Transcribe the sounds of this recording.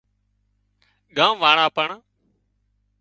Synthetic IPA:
ɠãːʋaːɳaːpəɳaː

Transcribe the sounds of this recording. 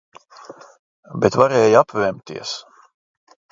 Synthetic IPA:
bet̪vaɾɛːjapvɛmt̪ḭɛs

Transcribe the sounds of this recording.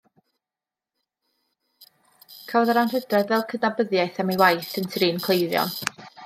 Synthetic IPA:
kʰawðaɾanrədrɛðvɛlˠkʰədnabəðjajθɛmijwajθəntʰriːnkʰlˠejðjɔ̰n

